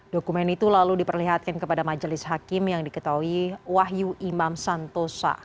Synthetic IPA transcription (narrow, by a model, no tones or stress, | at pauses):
dokumɛnit̪ulaludipərliɦat̪̚kankəpadamad͡ʒəlɪshakɪmjaŋdikət̪aɦuiwaɦjuʔimamsant̪osa̰